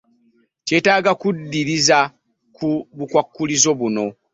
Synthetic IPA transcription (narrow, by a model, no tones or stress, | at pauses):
tetaːɡakudːiɾiza | kuβukwakːulizo̞βuno̞